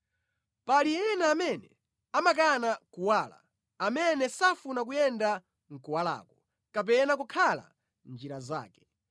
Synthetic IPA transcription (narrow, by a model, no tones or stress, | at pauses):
paliɛnaːmɛnɛ | amak̬anakuwaːla̰ | amɛnɛsafunak̬ujɛnda | ŋ̩kuwala̰ːkɔ | kap̬ɛnakukʰala̰ | nd͡ʒiɾaza̰ːkɛ̥